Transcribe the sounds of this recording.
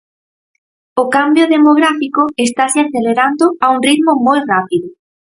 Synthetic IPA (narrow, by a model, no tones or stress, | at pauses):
ʊkambjʊðemoɣɾafikoest̪aseaθeleɾand̪ʊauŋriðmʊmojrapiðʊ